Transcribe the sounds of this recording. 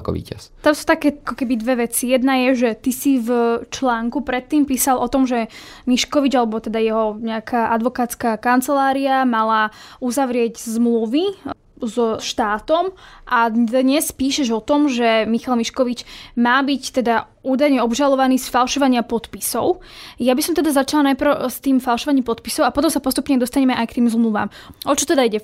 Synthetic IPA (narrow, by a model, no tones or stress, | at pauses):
kɔ̰ʋḭːcast̪amsu̥t̪akɛːakɔkɛbid̪ʋɛʋɛt͡sijɛd̪najɛʒɛt̪isivt͡ʃlaːŋkupɾɛt̪ːiːmpiːsalʔɔt̪ɔmʒɛmiʃkɔʋid͡ʒalɛbɔt̪ɛd̪ajɛɦɔɲɛakʰaːʔad̪ʋɔkaːt͡skakant͡sɛlaːɾiamalauzaʋɾɪɛɟzmluʋi | zɔʃt̪aːt̪ɔmʔad̪ɲɛspiːʃɛʒɔt̪ɔmʒɛmixalmiʃkɔʋit͡ʃmaːbict̪ɛd̪a | uːd̪ajɲɛɔbʒalɔʋaniːsfalˠʃɔʋaɲɪapɔt̪pisɔ̰ʊjabisɔmt̪ɛd̪azat͡ʃalanajpɾ̩ʊst̪iːmfalˠʃɔʋaɲiːmpɔt̪pisɔʊapɔt̪ɔmsapɔst̪upɲɛd̪ɔst̪aɲɛmɛʔajkt̪iːmzmluʋa̰ːm | ʔɔt͡ʃɔt̪ɛd̪aiɟɛ